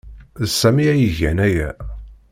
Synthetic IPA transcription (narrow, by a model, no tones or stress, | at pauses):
sːæmiæjəʝæ̰næjæ̰